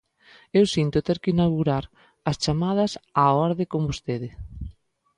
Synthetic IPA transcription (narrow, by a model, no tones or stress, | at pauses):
ewsint̪ot̪eɾkɪinaɣuɾaɾ | ɐst͡ʃamað̞ɐsaɔɾðekombost̪eðɪ